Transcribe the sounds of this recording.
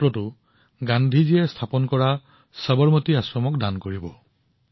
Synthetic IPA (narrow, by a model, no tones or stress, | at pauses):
tɹɔtʊ | ɡãndʱiziɛstʰapɔnkɔɹa | səbɔɹmotiasɹɔmɔkdankoɹibɔ